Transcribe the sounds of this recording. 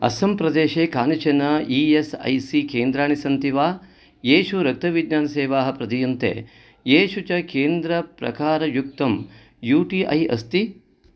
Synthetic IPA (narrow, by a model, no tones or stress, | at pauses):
ɐ̰sɐmpɾɐd̪eːʃeːkaːnit͡ʃɐnɐiːesɐ̰jsikeːnd̪ɾaːɳisɐnt̪iʋaː | jeːʃuɾɐk̚t̪ɐʋid̪ɲaːnɐseːʋaːɦɐ̆pɾɐd̪ijunt̪ḛː | jeːʃut͡ʃɐkeːnd̪ɾɐpɾɐ̰kaːɾɐjuk̚t̪ɐm | juːʈiːʔɐ̰jɐ̰st̪i